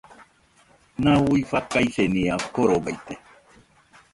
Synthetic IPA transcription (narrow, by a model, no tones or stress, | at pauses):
nawuifakajseniakoɾobajt̪e